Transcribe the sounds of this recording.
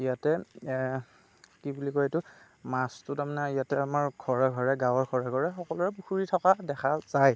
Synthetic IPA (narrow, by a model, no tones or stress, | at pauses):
ijatɛ | kibulikɔetʊ | mastʊtamanɛijatɛamaɹɡʱɔɹɛɡʱɔɹɛɡawɔɡʱɔɹaɡʱɔɹɛxɔkɔlɔɹɛpuxuɹitʰɔkadɛkʰazaj